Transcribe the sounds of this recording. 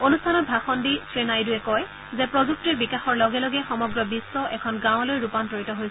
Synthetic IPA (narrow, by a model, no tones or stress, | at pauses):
onustʰanɔt̚bʱaxɔndisɹenajduɛkɔj | zɛpɹozuk̚tiɹbikaxɔɹlɔɡɛlɔɡɛxɔmɔɡɹɔbisːɔʔɛkʰɔnɡãw̃lojɹupantoɹitɔɦojs